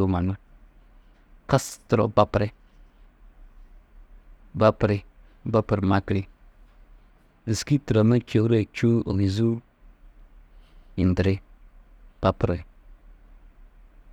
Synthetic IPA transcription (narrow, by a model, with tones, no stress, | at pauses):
o˨ma˨nə˦ | kə˦stɾo̰˨ba˨pɾe˦ | ba˦pɾe˦ | ba˦pə˨ɾma˦kɾi˦ | ə˨ski˦tə˨ɾə˨mə˦ko˨˦ɾe˦t͡ʃu˦o̰˨li˨zu˦ | i˨ndə˨ɾe˦ | b̥a˨pɾe˨